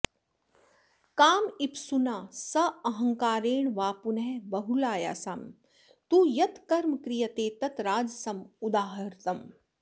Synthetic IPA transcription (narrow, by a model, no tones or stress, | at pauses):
kaːmipsunaːsɐɐɦɐ̃ŋkaːɾeːɳʋaːpunɦɛbɐɦulaːja̰ːsaːm | t̪uːjɐt̪kɐɾmkɾijɐt̪eːt̪ɐt̪ɾaːd͡ʒsɐmud̪aːɦɐɾt̪ɐm